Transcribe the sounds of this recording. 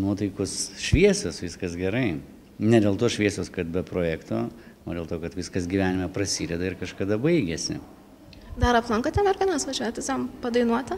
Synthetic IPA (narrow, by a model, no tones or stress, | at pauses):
nuɔt̪ɐɪkʊsʃʲʋʲiɛsʲosʋʲɪskɐsɡʲɛɾɐɪ | nʲɛd̪ʲeːlˠt̪oːʃʲʋʲiɛsʲoːskɐt̪̚bʲɛpɾoːjæːkt̪oː | oːdʲeːlˠt̪oːkɐt̪ʋʲɪskɐsɡʲiʋʲæːnʲɪmʲɛprɐsʲiːdʲɛd̪ɐɪɾkɐʃkɐd̪ɐbɐɪɡʲesʲɪ̰ | d̪ɐɾɐplˠɐŋkɐt̪ʲɛnɐrʲkʲɡʲɪnɐsʋɐʒʲæːt̪ʲɪsjɛmpɐd̪ɐɪnuɔt̪ʲɐ